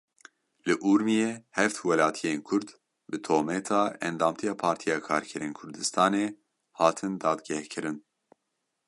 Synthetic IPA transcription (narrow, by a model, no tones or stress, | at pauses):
lɨʔuɾmijeːhɛft̪wɛlɑːt̪ʰijeːnkʰʊɾd̪ | bɨt̪ʰoːmɛt̪ʰɑːɛ̰nd̪ɑːmt̪ʰijɑːpʰɑːɾt̪ʰijɑːkʰɑːɾkʰɛɾeːnkʰʊɾd̪ɨst̪ʰɑːneː | hɑːt̪ʰɨnd̪ɑːd̪ɡʲɛhkʰɨɾɨn